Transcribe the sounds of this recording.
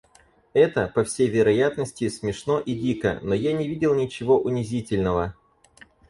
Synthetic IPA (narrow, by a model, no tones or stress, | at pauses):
ɛt̪əpɐfsʲejvʲɪɾɐjat̪nəsʲtʲɪsmʲɪʂno̞ʔidʲikə̰nojanʲɪvʲidʲɪlˠnʲɪt͡ɕɪvo̞ʔʊnʲɪzʲitʲɪlʲnəvə